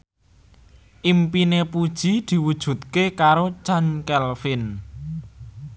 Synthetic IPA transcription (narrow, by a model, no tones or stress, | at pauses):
ʔimpinepud̥ʒ̥i̤d̪̥i̤wud̥ʒ̥ṳt̪̚kekaɾot͡ʃankɛlfɪn